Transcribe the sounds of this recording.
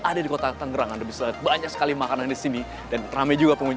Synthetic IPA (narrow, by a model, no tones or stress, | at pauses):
adadikot̪at̪əŋɡəɾaŋandabisabaɲaksə̥kalimakanandisini | danramajd͡ʒuɡapəŋuɲ